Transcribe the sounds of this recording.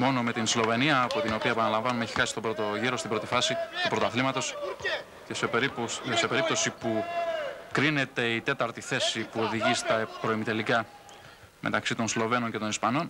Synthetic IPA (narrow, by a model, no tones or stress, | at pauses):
mo̞no̞me̞t̪inslo̞ve̞niɐːpo̞t̪ino̞piɐepɐnɐlɐɱvɐnumeeçi̥xɐsist̪o̞bɾot̪oʝiɾo̞st̪ibɾo̞t̪ifɐsit̪upɾo̞t̪oɐθlimɐt̪o̞s | sepe̞ɾip̚t̪o̞sipu | kɾine̞t̪e̞it̪e̞t̪ɐɾt̪iθe̞sipuo̞ðiʝist̪ɐpɾo̞imit̪elikɐ | mʔe̞̰t̪ɐksit̪o̞nslo̞ve̞no̞nce̞t̪o̞nispɐno̞n